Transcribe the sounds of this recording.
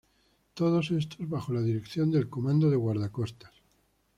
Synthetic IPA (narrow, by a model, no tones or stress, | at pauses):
t̪o̞ð̞o̞sest̪ozβaxo̞laðiɾekθjo̞nd̪e̞lko̞mãnd̪oðeɣwaɾð̞ako̞st̪ḁs